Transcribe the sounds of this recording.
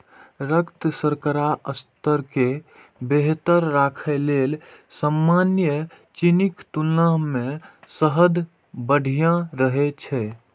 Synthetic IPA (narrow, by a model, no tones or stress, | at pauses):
ɾəkt̪səɾkəɾaʔəst̪əɾke | beɦt̪əɾːakʰelel | səmːanjə | t͡ʃinikt̪ulamẽsəɦəd̪ | bəɽʱijãɾəɦet͡ʃʰɛ